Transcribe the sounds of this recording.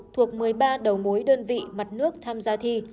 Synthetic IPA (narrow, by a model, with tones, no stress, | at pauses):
t̪ʰu˨˩ək̚mɨ˨˩əjɓaː˧ɗə˨˩wmo˨˦jɗəː˧nvḭ˧˨ma˨˩t̚nɨ˦˥ək̚t̪ʰaː˧mzaː˧t̪ʰi˧